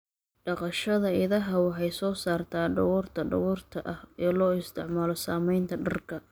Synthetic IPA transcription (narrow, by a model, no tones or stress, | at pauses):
ɖɑqɑʃɐðɐɪðɐɦɐwɑħɑjsɔːsaːrt̪ʰaːɖɐwɔːrt̪ʰɐɖɐ̰wɔːrt̪ʰɐʔɐhɛːlɔːɪst̪ʰɪʕmaːlɔsaːmɛjnt̪ʰɐɖɐrkʰɐ